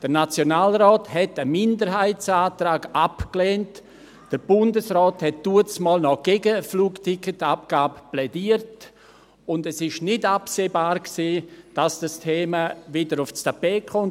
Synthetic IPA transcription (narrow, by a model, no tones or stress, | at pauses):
d̥əɾnat͡sjonaːlrɔːthɛtəmɪndəɾɦaɪt͡saːtraːɡapkleːnt | d̥əɾbʊndəsrɔːthɛt̚d̥uət͡smɔːlnɔɡ̥ɛɡəfluːktʰɪkətap̚ɡ̥aːbəplɛdiːəɾt | ʊndɛsɪʃnɪdapseːbaːɾksiːd̥asd̥astʰeːmavɪdəɾʊfstapeːkʰɔn